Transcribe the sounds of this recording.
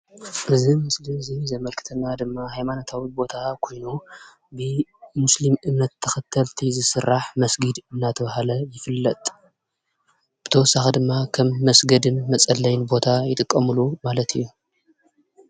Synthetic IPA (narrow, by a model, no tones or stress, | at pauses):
ʔɨzimɨslimzizɐmɐlkʰɨ̥t̪ʰɐnːad̪ɨmːahajmanot̪ʰawibo̞t̪ʰakʰo̞jnu | bɨmʊslimɨmnɐt̪ʰːɐxɐt̪ʰːɐlt̪ʰizɨsɨrːaħmɐsɡid̪ɨnːat̪ʰɐβahalɐjɪfɨlːɐt̪ʼ | b̥ɨt̪ʰɐwɔsːaxɐd̪ɨmːakʰɐmːɐsɡɐd̪ɨnmɐt͡sʼɐlːɐjnbo̞t̪ʰajɪt̪ʼɨkʼːɐmɨlumalɐt̪ʰḭjːu